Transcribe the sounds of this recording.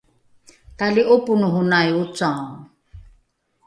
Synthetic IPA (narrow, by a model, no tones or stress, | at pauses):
taliʔopunuɦunajut͡sa